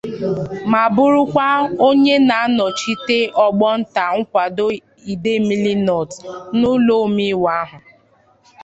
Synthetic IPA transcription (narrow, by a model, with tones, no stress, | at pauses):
ma˨bʊ˦ɾʊ˦kʷa˦o˦ɲe˦na˨a˦nɔ˨t͡ʃi˦te˦ʔɔ˨ɡ͡bɔ˦n̩˦ta˨ŋ̩˦kʷa˨do˦ | i˨de˦mi˦li˦nɔ˨tnʊ˦lo˦mi˦wa˦a˦ɦʊ˨